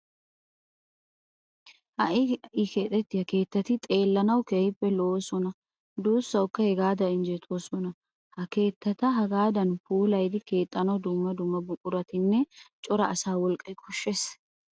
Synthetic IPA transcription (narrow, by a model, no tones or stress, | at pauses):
hɐʔɪʔɪke̞ːt̪ʼːɛt̪ːɪhɐke̞ːt̪ːɐt̪ɪt̪ʼe̞ːlːɐnɐwkejɪpːɛloːsɔnɐ | d̪oːsːɐwkːɐhɛɡaːd̪ɐɪnd͡ʒɛt̪ʰʼoːsɔnɐ | hɐke̞ːt̪ːɐt̪ɐɦɐɡaːd̪ɐnfuːlɐjd̪ɪke̞ːt̪ʼːɐnɐwd̪ʊmːɐd̪ʊmːɐbʊkʼʊɾɐt̪ɪnːɛt͡ʃʼɔɾɐɐsaːwɔlkʼːɐjkʰɔʃːes